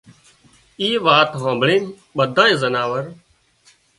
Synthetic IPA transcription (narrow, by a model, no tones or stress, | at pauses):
iːʋaːt̪ɦãːbɳẽː | ɓəd̪ʱãːẽːzənaːʋəɾ